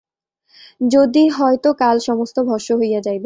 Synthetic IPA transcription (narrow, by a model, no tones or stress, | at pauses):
d͡ʑod̪iɦɔet̪okalʃɔmost̪obʱɔɾʃoɦojad͡ʑajbe